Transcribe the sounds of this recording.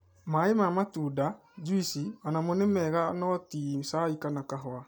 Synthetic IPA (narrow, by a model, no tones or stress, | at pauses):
maemamatuːda | d͡ʒuisianamonɛmɛɣanɔtisaikanakaɦɔa